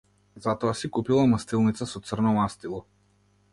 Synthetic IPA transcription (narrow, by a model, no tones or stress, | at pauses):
zat̪ɔasikupilˠamast̪ilˠnit̪sasɔt̪sərnɔmast̪ilˠɔ